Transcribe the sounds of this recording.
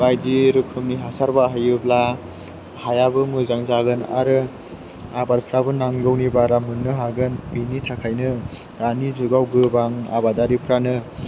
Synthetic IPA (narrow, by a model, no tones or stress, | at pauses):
bajdiɾɯkʰɯmniɦasaɾbaɦajɯbla | hajabɯmɯzaŋzaɡɯna̰ɾɯ | abaɾpʰɾabɯnaŋɡɯwnibaɾamɯnːɯɦaɡɯnbinitʰakʰajnɯ | ɾanizuɡawɡɯbaŋa̰badaɾipʰɾanɯ